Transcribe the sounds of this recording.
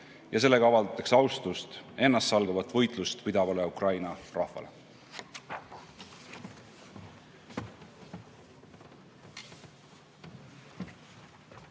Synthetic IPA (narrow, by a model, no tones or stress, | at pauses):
jʔɑse̞lːe̞ɡ̥ɑɑvɑld̪ɑt̪ːˑeksɑwst̪ust̪e̞nːɑst̪sɑlɡ̥ɑvɑt̪ːˑvɤ̞jt̪ˑlust̪pid̪ɑvɑleukrɑjnɑrɑhvɑ̰le